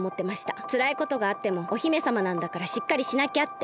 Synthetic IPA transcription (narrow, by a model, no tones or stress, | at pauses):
mo̞t̪ːe̞maɕi̥t̪at͡sɨɾaiko̞t̪o̞ɡaːt̪ːe̞mo̞ːçime̞samanãnd̪akaɾaɕikːaɾʲiɕinakʲat̪ːe